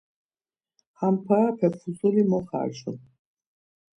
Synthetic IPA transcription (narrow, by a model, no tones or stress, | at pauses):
χampʰapʰɛpʰχusɔlimɔχa̰ːʃɔ̰n